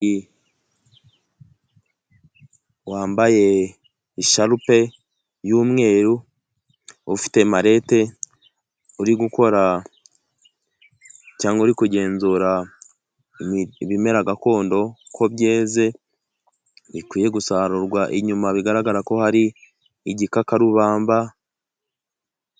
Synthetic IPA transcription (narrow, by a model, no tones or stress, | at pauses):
i | waːmbaje̞ | iʃaɾupe̞ | jumŋe̞ːɾu | ufi̥te̞maɾe̞te̞ | uɾiɡuko̞ɾa | caːŋɡouɾikuɟe̞ːnzuːɾa | βime̞ɾaɡako̞ːndo̞kʰo̞βje̞ːze̞ | βikwiːje̞ɡusaːɾuɾɡwaʔiɲumaβiɡaɾaɡaɾako̞haɾiː | ɟikakaɾuβaːmba